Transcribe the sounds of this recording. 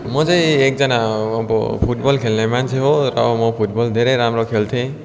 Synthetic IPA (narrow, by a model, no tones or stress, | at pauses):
mozejek̚zanabɔ̰pʰut̚bɔlkʰelnamansʰeɦoɾɔ̰mopʰut̚bɔld̪ʱeɾeɾamɾɔkʰelt̪ʰẽ